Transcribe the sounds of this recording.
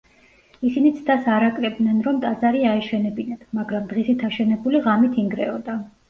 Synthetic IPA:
isinit̪sʰd̪asaɾakʼɾɛb̚d̪nɛnɾɔmt̪ʼazaɾiaɛʃɛnɛbinat̪maɡɾamd̪ʁisit̪ʰaʃɛnɛbuliʁamit̪ʰiŋɡɾɛɔd̪a

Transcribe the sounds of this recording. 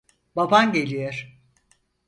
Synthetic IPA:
babanɟelʲijeɾ̥

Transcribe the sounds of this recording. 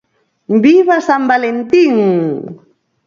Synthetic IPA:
mbiβasambalent̪iŋ

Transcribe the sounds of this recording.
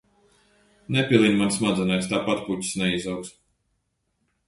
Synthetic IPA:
nɛpʲilˠinmansmad̪zɛnajst̪aːpat̪puci̥snɛizawks

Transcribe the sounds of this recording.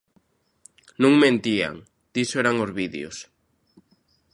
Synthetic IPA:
nũŋmẽnt̪ia̰ŋ | d̪̥isoeɾaŋozβiðḛo̰s

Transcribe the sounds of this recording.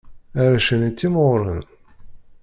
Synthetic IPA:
aɾæʃənit͡sːimoɾˤən

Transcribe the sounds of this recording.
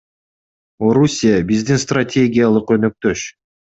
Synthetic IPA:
o̞ɾusʲijabizd̪inst̪ratʲʰe̞ɡʲɪjalˠɯqø̞nøk̚t̪ø̞ʃ

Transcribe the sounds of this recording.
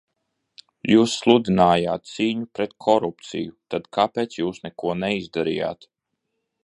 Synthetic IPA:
juːsːlˠud̪inaːjaːt̪̚siːɲupɾɛt̪kʰɔɾupt̪sḭjut̪ad̪̥kapeːt̪sjuːsnɛkuɔnɛizd̪aɾḭːja̰ːt̪

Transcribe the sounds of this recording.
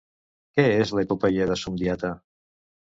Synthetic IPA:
kɛezləipopɛʎəðəsumd̪iat̪ə

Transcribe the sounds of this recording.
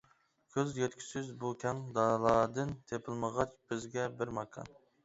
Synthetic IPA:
kʲʰøzjet̪̚kʲʰi̥sɪzbukʲʰɛŋd̪ɑlˠɑːd̪ɨnt̪ʰepʰɪlˠməʁɑt͡ʃb̥ɪzɡʲɛbɪɾmɑkʰɑ̰n

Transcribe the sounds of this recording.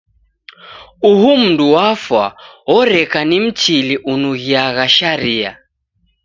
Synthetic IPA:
uɦum̩nduwafwaɔɾɛkanim̩t͡ʃiliʔunuɣiaɣaʃaɾia̰

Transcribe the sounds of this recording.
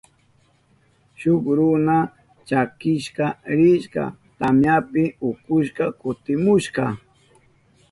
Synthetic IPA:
ʃʊkɾʊna | t͡ʃakɪʃkaɾɪʃka̰t̪amjapɪʊkʊʃkɑkʊt̪ɪmʊʃkɑ

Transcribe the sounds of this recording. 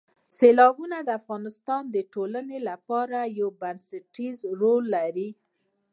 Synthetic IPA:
selɑbunad̪əafɣɑnɪst̪ɑnd̪əʈolanelapɑɾajawbansaʈizɾolːaɾi

